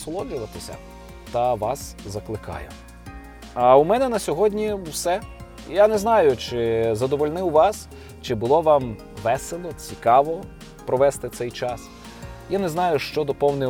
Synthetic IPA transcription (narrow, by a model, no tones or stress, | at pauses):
sɔlˠɔd͡ʒʊʋɐt̪ɪsʲɐ̰ | t̪ɐʋɑszɐklˠɪkɑ̰jʊ̰ | ɐʊmɛnɛnɐsʲɔɦɔdʲnʲiwsɛ | janɛznɑjʊt͡ʃɪzɐd̪ɔʋɔlʲnɪwʋɑs | t͡ʃɪbʊlˠɔʋɑm | ʋɛselˠɔt͡sʲikɑʋɔ | pɾɔʋɛst̪ɪt̪sɛjt͡ʃɑs | janɛznɑjʊʃt͡ʃɔd̪ɔpɔwnɪ